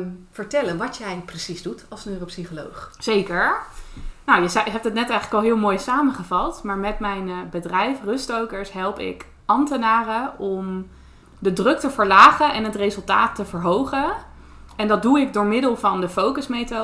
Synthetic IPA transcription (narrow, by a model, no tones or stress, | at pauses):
fəɹtɛlənʋɑtjəɛjləkprəsizdutɑlˠsnyrəpsiχolowχz̥ejkəɹ | nawjəzɦɛp̚tətnɛtɛjχələkɑlˠɦɪːlˠmoːjsaːməχəvɑlˠtmaːɹmɛtmɛjnbədrɛjfrɵstowkəɹsɦɛlˠpɪ̰k | ɑmtənaːrəɔm | dədrɵk̚təvəɹlaːχənɛnɦətrezɵlˠtaːtːəvəɹɦowχə | ɛndɑd̚duɪɡ̚dʊːɹmɪdəlˠvɑndəfowkəsmejto